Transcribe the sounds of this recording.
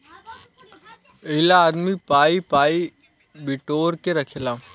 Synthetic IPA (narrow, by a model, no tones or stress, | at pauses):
əɦlaːd̪mipaːipaːi | bɪʈoːɾkeɾɐkʰeːlaː